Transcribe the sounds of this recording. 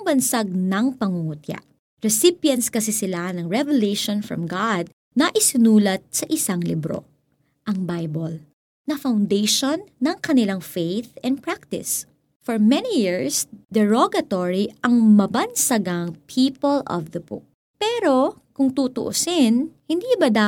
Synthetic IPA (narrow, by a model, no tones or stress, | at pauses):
ŋbɐnsaɡ̚nɐŋpɐŋʊŋut̪ja̰ʔ | ɹɛsɪpjɐ̃nskɐsisɪlanɐŋɹɛvɛlejʃõnfɹɔ̰̃mɡad̪̚ | nɐʔɪsɪnuːlɐt̪̚sɐʔɪsaŋlɪbɾo̰ | ʔɐŋbajbol | nɐfawnd̪ejʃonːɐŋkɐnɪlaŋfejθɛ̃n̚pɹak̚t̪ɪ̰s | fɔɹmɛnijiɹsd̪ɛɹoɡɐt̪oɹiɐŋmɐbɐnsɐɡaŋpʰiːpolʔɔ̰vd̪ɐbʊ̰k̚ | pɛɾo̞ | kʊŋt̪ut̪ʊʔo̰sɪnhɪnd̪iːbɐd̪a